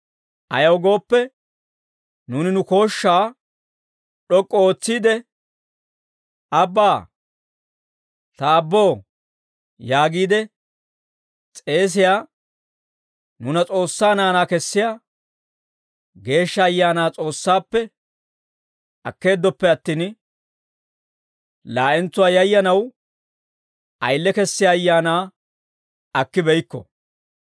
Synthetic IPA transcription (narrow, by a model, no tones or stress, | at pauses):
ʔɐjɐwɡo̞ːpːɛ | nuːnɪnʊko̞ːʃːaː | ɗɔkʼːooːt͡sːiːd̪ɛ | ɐbːaː | t̪ɐːbːo̞ː | jaːɡiːd̪ɛ | t͡sʼe̞ːs̬ɪjaː | nʊnɐt͡sʼo̞ːsːaːnaːnaːkɛsːɪjaː | ɡe̞ːʃːɐːjːaːnaːt͡sʼo̞ːsːaːpːɛ | ɐkːe̞ːd̪ːɔpːɛɐt̪ːiːn | laːʔɛnt͡sːʊwaːjɐjːɐnɐw | ʔɐjlːɛkɛsːɪjaːjːaːnaː | ɐkːɪbɛjkːɔ̰